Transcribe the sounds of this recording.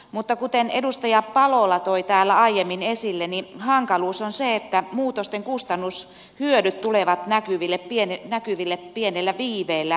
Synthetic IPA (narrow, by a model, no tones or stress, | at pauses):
mut̪ːɑkut̪enedust̪ɑjɑpɑlolːɑt̪oit̪æːlːæɑijemːinesilːenihɑŋkɑluːsonseet̪ːæmuːt̪ost̪eŋkust̪ɑnːus | hyødyt̪t̪uleʋɑt̪nækyʋilːepienenækyʋilːeppienelːæʋiːʋeilːæ